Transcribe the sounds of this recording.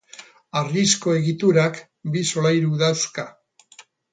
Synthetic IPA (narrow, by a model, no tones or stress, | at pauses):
arisko̞e̞ɣit̪uɾak | biso̞lajɾuðaska